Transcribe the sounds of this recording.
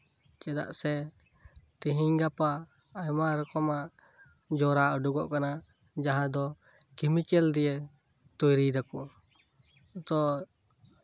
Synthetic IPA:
t͡ʃɛd̪a̰ʔsɛ | t̪iɦiŋɡapaː | jmaɾɔkɔmaʔ | d͡ʒɔɾaʔɔɖuɡɔʔkana | d͡ʒaɦãd̪ɔ | kimikɛld̪ɛjɛ | t̪ujɾid̪aku | t̪ɔ

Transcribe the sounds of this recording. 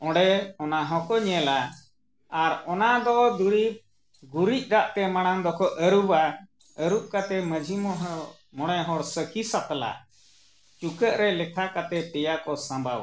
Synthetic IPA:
ɔ̃ɽɛɔnaɦɔ̃kɔɲɛla | aɾɔnad̪ɔd̪uɽib̚ | ɡuɾic̚ˀɾaʔt̪ɛmaɽ̃aŋd̪ɔkʰɔʔəɾuba | əɾuʔ̚kat̪ɛməd͡ʒʱimɔɦ | mɔɽ̃ɛɦɔɽsəkisat̪ala̰ | t͡ʃukəʔɾɛlɛkʰakat̪ɛʈɛjakɔsãmbʱawa̰

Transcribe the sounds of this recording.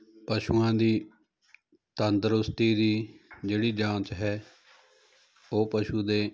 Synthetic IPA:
pəʃuːãːd̪iː | t̪ənd̪ɾʊst̪iːd̪iːd͡ʒeːɽiːd͡ʒãːt͡ʃɦɛː | oːpəʃuːd̪eː

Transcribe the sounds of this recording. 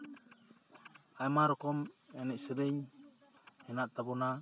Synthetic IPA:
aɛmaɾɔkɔmɛnɛsɛbeɲ | hɛnaʔt̪abɔna

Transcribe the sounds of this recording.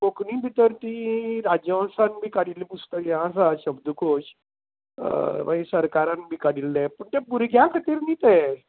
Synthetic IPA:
koknĩːbʱit̪əɾt̪iɾad͡ʑjəʋãsanbʱiːkaɽilːipust̪əkjaãsaɕəbd̪ʱukʰoɕ | ʋaisəɾkaɾãnbʱiːkaɽilːɛpəɳt̪abuɾɡʱjakʰət̪iːɾnit̪ɛ

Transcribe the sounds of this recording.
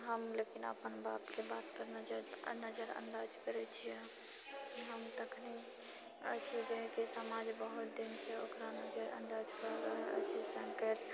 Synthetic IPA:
ɦəmlekinə̰pənbapkebat̪pəɾnəd͡ʒəɾnəd͡ʒəɾə̰nd̪ad͡ʒkəɾɛt͡ʃʰijɛ | ɦəmt̪əkʰni | ə̰t͡ʃʰid͡ʒeɦɛ̃kesəmad͡ʒbəɦut̪d̪inseokɾanəd͡ʒəɾə̰̃nd̪ad͡ʒkəɾɾəɦɛə̰t͡ʃʰisə̃ŋkɛt̪

